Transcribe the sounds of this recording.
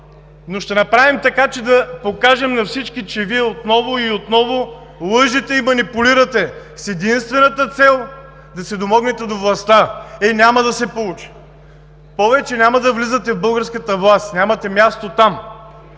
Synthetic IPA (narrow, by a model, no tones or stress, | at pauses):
noʃt̪ɛnɐpɾavimt̪ɐkat͡ʃɛd̪ɐpokaʒɛmnɐfsit͡ʃkit͡ʃɛviɛot̪nɔvʊiot̪nɔvo | lˠɤʒit̪ɛimɐnipuliɾət̪ɛ | sɛd̪inst̪vɛnɐt̪ət̪sɛlˠ | d̪ɐsɛd̪omɔɡnɛt̪ɛd̪ovlˠɐst̪aɛnʲamɐd̪ɐsɛpolˠut͡ʃi̥ | pɔvɛt͡ʃɛnʲamɐd̪ɐvlizət̪ɛvbɤlˠɡəɾskət̪əvlˠast̪nʲamɐt̪ɛmjast̪ot̪am